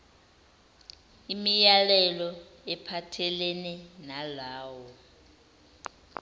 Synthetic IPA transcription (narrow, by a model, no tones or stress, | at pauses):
imijalɛlɔ | ɛpʰatʰɛlɛnɛnalaːwɔ